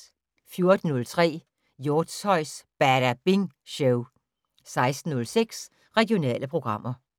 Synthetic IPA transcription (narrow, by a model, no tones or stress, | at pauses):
fjo̝ɐd̥n̩ɔ̽lt͡sʰʁɛ̰ː | joːd̥sɒ̽ɪ̰sb̥æɐɾ̥æb̥eŋɕɔʊ | sɑ̈ɪsd̥n̩ɔ̽lseɡ̥s | ʁɛɡ̥jo̝nɛ̰ːləpʰʁo̝ɡ̥ʁɑ̈m̰ɐ